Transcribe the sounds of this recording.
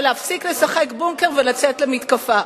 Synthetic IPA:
leafsikle̞saχe̞kbuŋkeʁvelat͡setlemit̪kafa

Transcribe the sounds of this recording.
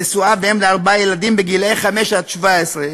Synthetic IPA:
esuaveemleaʁbajelad̪imbeɡilejχameʃat̪ʃvaesʁe

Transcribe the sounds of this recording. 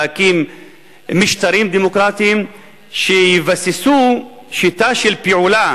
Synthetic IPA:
akimː | iʃt̪aɾimd̪emokɾat̪iim | ʃejivasisu | ʃit̪aʃelpiʕula

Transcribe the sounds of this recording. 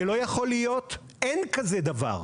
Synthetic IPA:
elo̞jaχo̞lijo̞t̪ | ʔenkazed̪ava̰ʁ

